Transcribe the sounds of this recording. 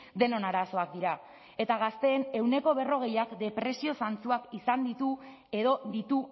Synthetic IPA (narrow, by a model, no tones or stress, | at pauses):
d̪e̞no̞naɾaso̞ak̚d̪iɾa | e̞t̪aɣ̞ast̪e̞ːne̞wne̞ko̞β̞e̞ro̞ɣe̞jakd̪e̞pɾe̞sio̞sant͡suakisand̪it̪u | e̞ðo̞d̪it̪u